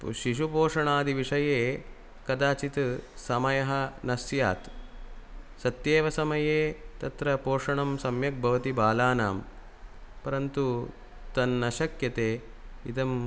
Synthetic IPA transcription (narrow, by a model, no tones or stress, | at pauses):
ʃiʃupoːʂɐɳaːd̪iʋiʂɐjeː | kɐd̪aːt͡ʃit̪sɐmɐjɐɦɐ̆nɐsja̰ːt̪ | sɐt̪jeːʋɐsɐmɐjeːt̪ɐt̪ɾɐpoːʂɐɳɐmsɐmjɐk̚bʱɐʋɐt̪ibaːlaːnaːm | pɐɾɐnt̪u | t̪ɐnːɐʃɐkjɐt̪eː | ḭd̪ɐm